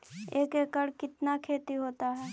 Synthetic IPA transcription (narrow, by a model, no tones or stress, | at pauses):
eːkeːkəɽkɪt̪nakʰeːt̪iɦoːt̪aɦɛː